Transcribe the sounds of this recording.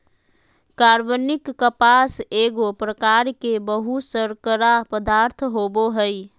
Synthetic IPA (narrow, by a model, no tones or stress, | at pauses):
kaɾbənɪkːəpaseɡopɾəkaɾkebəɦusəɾkəɾapəd̪aɾt̪ʰɦoboɦəj